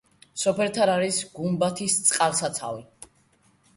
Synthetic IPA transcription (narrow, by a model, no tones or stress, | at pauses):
sɔpʰɛlt̪ʰaɾaɾisɡumbat̪ʰist̪sʼqʼalsat̪sʰa̰vi